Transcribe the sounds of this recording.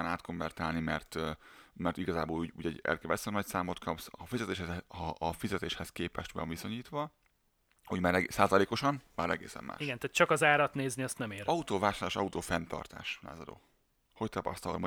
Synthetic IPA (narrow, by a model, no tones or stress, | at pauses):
anaːt̪koɱvɛrt̪aːlnimɛrt̪mɛrt̪iɡɒzaːboːluːɟuːɟɛɟɛ̰lkɛvɛt̪sɛmnɒcsaːmo̞t̪̚kʰɒpsɒfizɛt̪eːʃhɛzɒːfizɛt̪eːʃhɛskeːpɛʃt̪ʋɱviso̞ɲiːt̪ʋɒ | hoɟmaːɾɛsaːzɒleːko̞ʃɒnmaːɾɛɡḛːsɛ̰mːʔa̰ːʃiɡɛnt̪aːt̪t͡ʃɒkɒzaːɾɒt̪neːzniɒst̪nɛmeːɾɒut̪oːvaːʃaːlːʃɒut̪oːfɛnt̪ɒ̰rt̪a̰ːʃla̰ːzɒd̪o̰ː | ho̞c̚t̪ɒpɒ̰st̪ɒlmo